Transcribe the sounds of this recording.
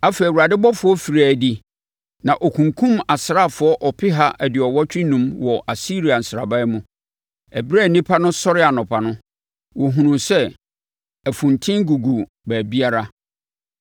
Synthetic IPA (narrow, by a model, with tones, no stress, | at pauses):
a˦fe˨i˨wu˨ɾa˨dɪ˦bɔ˦fʊ˨˦ɔ˦fi˨ɾaː˨di˨ | nã˨ʔɔ˨kʰũ˨ŋkʰũ˦ma˨sɪ˨ɾa˦˨fʊ˨˦ɔ˦ʔɔ˨pʰɪ˦ɦa˦ʔɛ˨dɪ˨ɔ˨wɔ˦t͡ɕᶣɪ˦nũ˦mwɔ˨ʔa˨si˦ɾi˨a˨n̩˨sɾa̰˨ba˦ɛ˦mũ˦ | ɛ˨bɾa˦˨nĩ˦pʰa˦nʊ̃˦sɔ˦ɾɪ˦a˨nʊ̃˨pʰa˨nʊ̃˦ | wɔ˨ɦũ˨nũ˨sɛ˦ | æ˨fũ˨ntʰɪ̃˦ŋɡu˨ɡu˨ | bæː˨bi˦a˦ɾa˦